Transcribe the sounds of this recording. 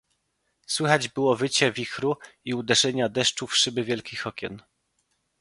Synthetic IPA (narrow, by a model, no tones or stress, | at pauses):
swɘxad͡ʑbɘwɔvɘt͡ɕɛvʲixɾuiud̪ɛʐɛɲad̪ɛʂt͡ʂufʂɘbɘvʲjɛlkʲixɔkʲɛ̰n